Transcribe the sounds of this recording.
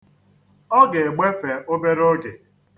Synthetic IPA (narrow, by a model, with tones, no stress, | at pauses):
ɔ˦ɡe˨e˨ɡ͡be˦fe˨o˦be˦ɾo˦ɡe˨